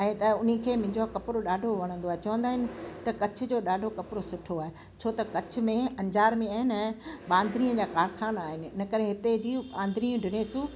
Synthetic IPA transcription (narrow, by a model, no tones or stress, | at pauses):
ɛ̃ːt̪ɐʊn̤ĭkʰeːmɪ̃ɲd͡ʑokɐpɪɾoɗaːɖʱoʋɐɽ̃ə̃nd̪oaːɦet͡ɕɐʋə̃nd̪aːɦɪnɪ̆t̪ɐkɐt͡ɕʰʊ̆d͡ʑoːɗaːɖʱokɐpɪɾosʊʈʰoaːɦe | t͡ɕʰoːt̪ɐkɐt͡ɕʰʊ̆mẽɐ̃ɲd͡ʑaːɾmẽaːɦɪnɪɛ̃ːɓãːnd̪ɾiə̃d͡ʑaːkaːɾkʰaːnaːɦɪnɪ̆ɪnɐkəɾẽɦɪt̪ed͡ʑiːɓãːn̆d̪ɾiũɖʱɪɽ̃esũ